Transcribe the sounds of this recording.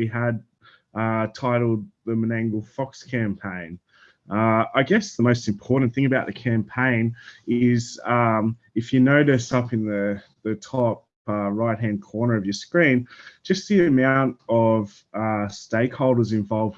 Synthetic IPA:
wiəd̚ | ʌtʰaɪɾl̩ˠd̪̚ðɨmənæ̃ŋɡl̩ˠfɑkskʰæ̃mpʰẽɪ̃n | ʌaɪɡɛsðəmoʊstɨ̃m̩pʰɔɹʔn̩θɪ̃ŋɨbaʊt̪̚ðɨkʰæ̃mpʰẽɪ̃nɪz̥ʌ̃m | ɨfjɨnoʊɾɨsʌpɨ̃nðɨ | ðɨtʰɑp̚ | ʌɹaɪt̚ɦæ̃nd̚kʰɔɹnə˞ʌvjə˞skɹĩn̥d͡ʒ̥ʌs̚ðiɨmãʊ̃ntʌv̥ | ʌsteɪkhoʊlˠdə˞zɨ̃ɱvɑlˠvd

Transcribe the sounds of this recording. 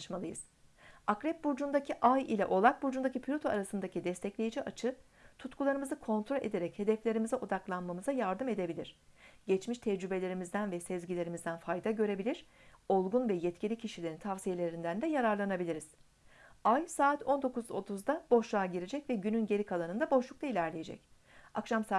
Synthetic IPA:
ʃmalˠɯjɯz̥ | akɾɛp̚buɾd͡ʒund̪acʰiʔajilʲɛʔo̞lˠak̚buɾd͡ʒund̪acipʰilʲot̪ʰoaɾasɯnd̪acʰid̪ɛst̪ʰɛclʲe̞jid͡ʒiʔat͡ʃʰɯ | t̪ʰut̪kulˠaɾɯmɯzɯkʰo̞nt̪ɾolʲʔe̞̰d̪e̞ɾɛche̞d̪ɛflʲe̞ɾimizɛʔo̞d̪aklˠanmamɯzajaɾd̪ɯme̞d̪e̞bilʲiɾ̝̥ɟ̥ɛt͡ʃmiʃt̪ʰɛd͡ʒɾybe̞lʲe̞ɾimizd̪ænvɛsɛzɟilʲe̞ɾimizd̪ænfajd̪aɟø̞ɾe̞bilʲiɾ̥ | o̞lˠɡunvɛjɛt̪cʰilʲicʰiʃilʲeɾint̪ʰavsije̞lʲe̞ɾind̪ænd̪ɛjaɾaɾlˠanabilʲiɾiz̥ | ajsaːt̪ʰo̞nd̪o̞kuzo̞̰t̪ʰuzd̪ab̥o̞ʃlˠaːɟiɾed͡ʒɛcvɛɟynynɟe̞ɾikʰalˠanɯnd̪abo̞ʃlˠuk̚t̪ˠailʲæɾlʲeje̞d͡ʒɛ̰c | akʃamsa

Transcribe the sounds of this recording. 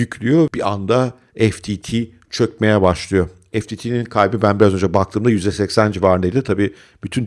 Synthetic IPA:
yclʲyjobiand̪a | ɛft̪ʰit̪ʰi | t͡ʃʰø̞cme̞jɛbaʃlˠɯjo̞ | ɛft̪ʰiːt̪ʰiːninkʰajbibænbiɾazø̞nd͡ʒabak̚t̪ʰɯːmd̪ajyzd̪ɛsɛcsænd͡ʒivaːɾɯnd̪eid̪ʲit̪ʰabiː | b̥yt̪ʰyn

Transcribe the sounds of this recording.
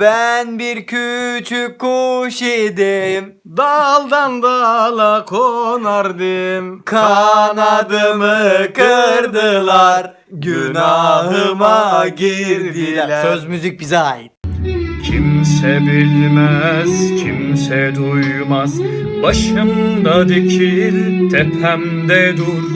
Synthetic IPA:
b̥ænbiɾcʰyt͡ʃʰykʰːuʃid̪im | d̪alˠd̪and̪alˠakʰonaɾd̪ɯmkʰanad̪ɯmɯkʰɯɾd̪ɯlˠaɾ | ɟynaɦɯmaɟiɾd̪iæɾlʲsøzmyzic̚bizɛɦit̪̚cʰimsɛbilʲmæzcʰimsɛd̪ujmaz | baʃɯmd̪ad̪ecʰilʲt̪ʰɛpʰæm | d̪ɛd̪uɾ

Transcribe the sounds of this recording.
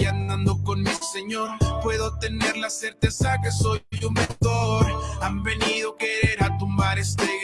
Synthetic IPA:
and̪and̪o̞ko̞nmise̞ɲo̞ɾpwe̞ðo̞t̪e̞ne̞ɾlase̞ɾt̪e̞sake̞so̞jumment̪oɾambe̞niðo̞ke̞ɾe̞ɾat̪umbaɾe̞st̪eɣ

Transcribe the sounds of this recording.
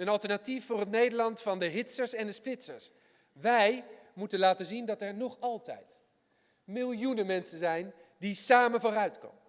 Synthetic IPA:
ənɑlˠtəɹnatifːʊːrətnejdəɹlɑntfɑndəɦɪtsəɹsɛndəsplɪtsəɹs | ʋɛjmutənlaːtənzindɑtɛɹnɔχɑlˠtɛ̰jt | mɪlˠjunənmɛnsənzɛjndisaːmənvoːrœɥtkɔ̰mə

